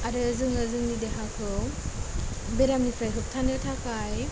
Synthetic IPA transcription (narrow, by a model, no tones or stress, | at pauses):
aɾɯzɯŋɯzɯŋnideɦakʰɯw | beɾamnipʰɾajɦɯp̚tʰanɯtʰakʰaj